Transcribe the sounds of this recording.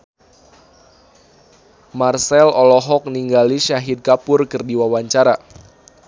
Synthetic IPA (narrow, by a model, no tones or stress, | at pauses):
marsɛlɔlɔɦɔk̚niŋɡaliʃaɦid̪̚kapʊrkɨrdiwawaɲt͡ʃaɾa